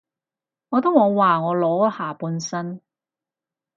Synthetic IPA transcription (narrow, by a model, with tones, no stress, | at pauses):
ŋɔː˨˧t̪ʊ˥ŋɔː˨˧waː˨ŋɔː˨˧lɔː˨˥haː˨˩puː˨˧nsɐ˥n